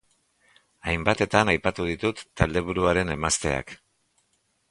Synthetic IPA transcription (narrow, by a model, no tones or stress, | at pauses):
ajmbat̪e̞t̪anajpat̪uð̞it̪ut̪ːald̪e̞β̞uɾuaɾe̞ne̞mast̪e̞̰a̰k